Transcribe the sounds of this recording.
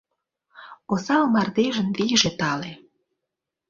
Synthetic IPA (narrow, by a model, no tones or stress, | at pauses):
osɑlmɑrd̪eʒə̆nβiʒet̪ɑle